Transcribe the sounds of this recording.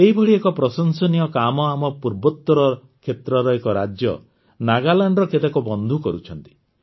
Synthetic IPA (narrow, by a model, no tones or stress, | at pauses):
eɦibʱɔɽiekɔpɾɔsɔnsɔnijɔkamɔamɔpuɾbɔt̪ːɾɔ | kʰet̪ɾɔɾɔekɔɾad͡ʒjɔ̰ | naɡalaɳɖɾɔkʰet̪akɔbɔnd̪ʱukɔɾut͡ʃʰɔnt̪i̥